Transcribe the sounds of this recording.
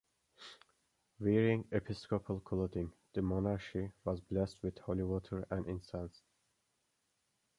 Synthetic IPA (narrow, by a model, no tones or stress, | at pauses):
viɹɪ̃ŋɛpʰɪskɔpʰəlˠkʰlodɪ̃ŋð̥əmɔnaʃiwɔzblɛst̚wɪð̥hɔliwɔtʰəɹæ̃nɪ̃nsãns